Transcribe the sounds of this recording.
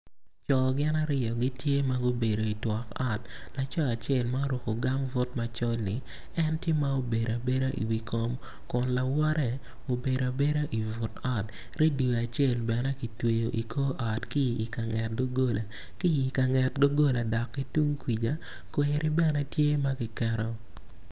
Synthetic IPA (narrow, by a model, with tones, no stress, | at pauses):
t͡ʃɔ˨ɡɪ˦na˦ɾɪ˨jɔ˨ɡɪ˦tje˦ma˦ɡo˦be˨ɾo˨i˨twɔ˨ka˦tla˨t͡ʃɔ˦a˨t͡ʃe˨lma˦ɾo˨ko˨ɡa˦mvʊ˦tma˨t͡ʃɔ˦lni˨ | ɛ˦ntje˦ma˦o˨be˨ɾa˨be˦ɾa˦ʔḭ˨wi˨kʰo˦m | kʊ˨nla˨wɔ˦ɾɛ˨ | o˨be˨ɾa˨be˦ɾa˦ʔi˨vʊ˨ta˦t | ɾe˦du˨a˨t͡ʃe˦˨lbɛ˨nɛ˦ki˨twe˨jo˨ʔi˨kʰo˦ʔa˨tkiː˦˨ka˨ŋɛ˨t̚ɡo˦ɡo˦la˨ | ki˦i˨ka˨ŋɛ˨tɡo˦ɡo˦la˨dɔ˨kːi˦tu˦ŋkwi˨d͡ʒa˦ | kwe˨ɾʔɪ˦bɛ˦˨nɛ˦tje˦ma˦ɡɪ˨kɛ˦ɾɔ˦